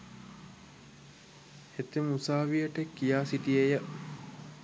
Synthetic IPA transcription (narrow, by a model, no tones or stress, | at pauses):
het̪emusaːʋijəʈəkijaːsiʈijejə